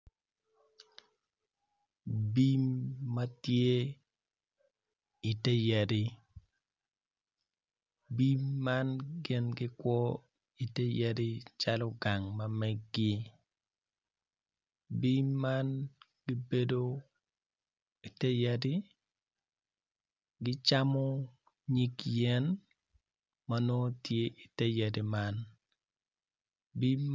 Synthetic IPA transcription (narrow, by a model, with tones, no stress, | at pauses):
bi˦mːa˦tje˦ | i˨te˦ja˨di˦ | bi˦mːa˦nɡɪ˦nɡɪ˦kwɔ˦ | i˨te˦ja˦di˦t͡ʃa˦lɔ˦ɡa˨ŋma˦mɛ˦ɡːɪ˦ | bi˦mːa˦n | ɡ̥ɪ˦be˦do˦ | i˨te˦ja˨di˦ | ɡɪ˦t͡ʃa˦mɔ˦ | ɲi˦kjɛ˦n | ma˨no˦tje˦ʔi˨te˦ja˨di˨ma˦n | bi˦m